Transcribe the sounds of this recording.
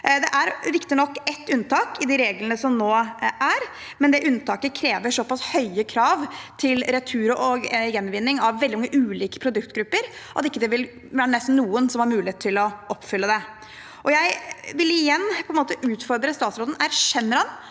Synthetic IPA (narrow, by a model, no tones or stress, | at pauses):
d̪ɛʔæɾɾɪkt̪ɪnɔkːɛt̪ːʉnt̪ʰɑːkɪd̪ɪɾeːɡlənəsɔmnoːæɾ | mɛnd̪ɛʔʉnːt̪ʰɑːkəkʰɾeːʋəʂɔpɑshœʏəkʰɾɑːʋt̪ʰɪlɾɛt̪ʰʉːɾʊʔɔɡjɛnːʋɪnːɪŋɑʋʋɛld̪ɪmɑŋːəʔʉːliːkə̥pʰɾʊd̪ʉkt̪ɡɾʉpːəɾʔɑ̰t̪ɪkːəd̪ɛʋɪl | ʋæːɾənɛst̪n̩ːuːənsɔmhɑɾmʉːlɪeːt̪ʰːɪlɔʔɔpːfʏlːəd̪ɛ | ʔɔjæɪʋɪlɪjɛnːpʰɔɛnmoːt̪əʔʉːt̪fɔɾd̪ɾəst̪ɑːt̪sɾoːd̪n̩æɾʂɛnːəɾhɑn